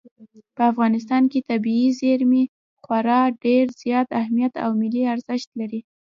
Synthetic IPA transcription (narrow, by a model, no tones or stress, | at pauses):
pəafɣɑnɪst̪ɑnket̪abiizeɾmi | xwaɾɑɖeɾz̥jɑt̪ahmijat̪a̰wmɪliaɾzɪʃt̪laɾi